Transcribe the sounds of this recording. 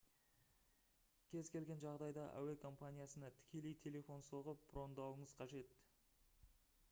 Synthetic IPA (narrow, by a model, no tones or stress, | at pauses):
kʲʰe̞zkʲe̞lɡʲe̞nʒɑʁd̪ɑjd̪ɑʔæ̰we̞kʰo̞mpanʲijasənɑt̪ʰɪ̥kʲe̞le̞jt̪ʰe̞le̞fo̞nso̞ʁəp̚b̥ro̞nd̪ɑwəɴəz̥qʰɑʒe̞t̪